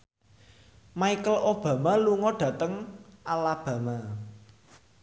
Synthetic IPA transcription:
maikəlʔob̥ä̤maluŋɔɖ̥ä̤t̪əŋalab̥ä̤ma

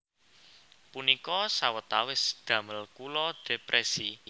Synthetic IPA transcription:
punikɔsawət̪awɪsd̪̥ä̤məlkulɔd̪̥e̤pɾʔɛsi

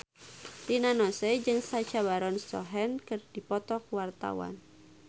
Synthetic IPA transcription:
dinanɔsɛd͡ʒɨŋsat͡ʃabaɾɔnst̪ɔ̰ɦɛnkɨrdipɔt̪ɔkwart̪a̰wa̰n

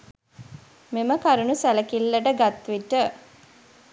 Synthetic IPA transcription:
meməkaɾunusæləkilːəʈəɡat̪ʋiʈə

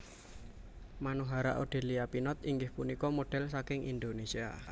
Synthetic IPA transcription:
manuɦaɾa̰ʔo̰ɖ̥e̤liapinɔt̪̚iŋɡɪhpunikɔmoɖ̥ɛ̤lsakɪŋʔḭnd̪onesia̰

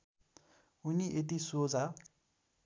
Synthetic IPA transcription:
uniʔet̪̬isod͡za

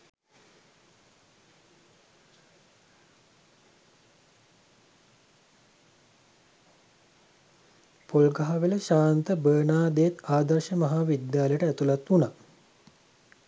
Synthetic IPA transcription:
polɡaɦaʋeləʃaːnt̪əbəːnaːd̪ejet̪aːd̪ərʃəmɐɦaːʋid̪jaːləjəʈəæt̪ulat̪una

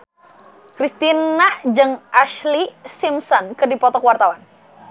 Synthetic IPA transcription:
kɾist̪inad͡ʒɨŋʔaʃlisimsɔnkɨrdipɔt̪ɔkwart̪awan

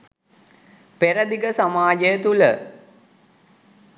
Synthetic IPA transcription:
peɾɐd̪iɡəsamaːd͡ʒəjət̪ulə

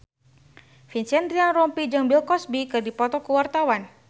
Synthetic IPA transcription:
finsɛnd̪ɾianrɔmpid͡ʒɨŋbilkɔsbikɨrdipɔt̪ɔkuwart̪awan

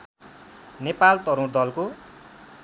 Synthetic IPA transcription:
nepalt̪ʌɾũrd̪ʌlko

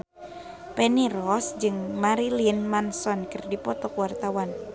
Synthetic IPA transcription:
pɛniɾɔsd͡ʒɨŋmaɾilinmansɔnkərdipɔt̪ɔkwart̪awan

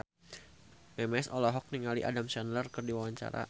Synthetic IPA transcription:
bɛmɛsɔlɔɦɔk̚niŋalḭʔa̰damsanlərkərdiwawaɲt͡ʃa̰ɾa̰

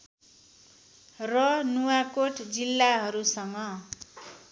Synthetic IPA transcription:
rʌnuwakoʈd͡zilːaɦʌɾusʌŋʌ

